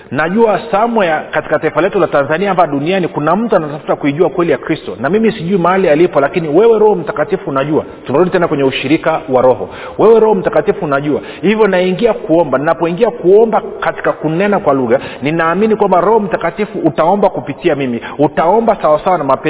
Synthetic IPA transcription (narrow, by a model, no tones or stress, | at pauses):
naʄuasamwɛjakati̥kataifalɛtulatanzaniaambaɔɗunianikunam̩tuanatafu̥takuiʄuakwɛlijakɾistɔnamimisiʄuimaalialipɔlakiniwɛwɛɾɔhɔm̩takatifuːnaʄua | tunaɾuɗitɛnakwɛɲɛuʃiɾikawaɾɔhɔ̰ | wɛwɛɾɔhɔm̩takatifuːnaʄua | hivjɔnaiŋɡiakuɔmbannapɔiŋɡiakuɔmbakati̥kakunɛnakwaluɣaninaːminikwambaɾɔhɔm̩takatifuʔːtaɔmbakupitiamimiutaɔmbasawasawanamapɛ